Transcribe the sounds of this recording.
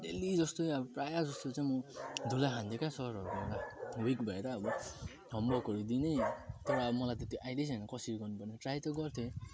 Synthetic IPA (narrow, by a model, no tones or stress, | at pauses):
delid͡zʌst̪oabɔprajad͡zʌst̪ot͡saj̃mod̪ʱulaɦʰãnd̪ekasʌɾʌkʌelawikbʱʌeɾaːbɔ | ɡʱʌmbʌkɔɾid̪inʌjt̪ʌɾʌʌbɔmʌlajt̪et̪iʔajlejt͡sanʌkʌsiɾɡʌrnupʌrneʈrajt̪ʌɡʌrt̪ʰe